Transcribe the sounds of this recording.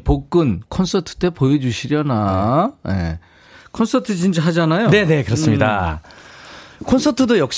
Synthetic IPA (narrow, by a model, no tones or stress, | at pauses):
pok̚k͈ɯnkʰʌnsʰʌtʰɯ̥t͈e̞pojed͡ʑuɕʰiɾjʌnajḛ | kʰʌnsʰʌtʰɯt͡ɕind͡ʑaɦad͡ʑanajone̞ne̞kɯɾʌs͈ɯmɲida̰ | kʰʌnsʰʌtʰɯdojʌkɕ